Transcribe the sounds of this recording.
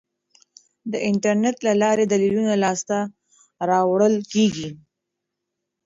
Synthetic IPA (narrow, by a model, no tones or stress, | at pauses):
d̪əʔɪɳʈaɾneʈ̪lalɑɾed̪alilunalɑst̪a | ɾɑwɽəlkeɡi